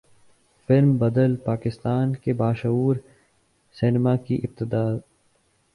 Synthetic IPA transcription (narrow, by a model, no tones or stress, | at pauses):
fɪlmbɐd̪əlpaːkɪst̪aːnkebaːʃɐuːɾ | sɪnɪmakiʔɪb̚t̪ɪd̪aː